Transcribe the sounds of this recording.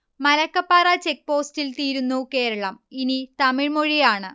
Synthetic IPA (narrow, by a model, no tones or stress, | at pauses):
mɐlɐkːɐpːaːrɐt͡ɕe̞k̚po̞ːstilt̪iːɾunːuke̞ːɾɐɭɐminit̪ɐmiɻmoɻijaːɳɨ